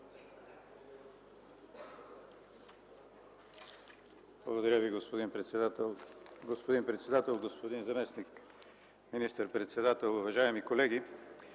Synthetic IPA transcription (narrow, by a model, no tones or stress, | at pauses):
blˠɐɡod̪ɐɾjəviɡospod̪inpɾɛt̪st̪lˠɡospod̪inpɾɛt̪sɛd̪at̪ɛlˠɡospod̪inzɐmɛsnik | minist̪əɾpɾɛt̪sɛd̪at̪ɛlˠʊvɐʒaɛmikolɛɡi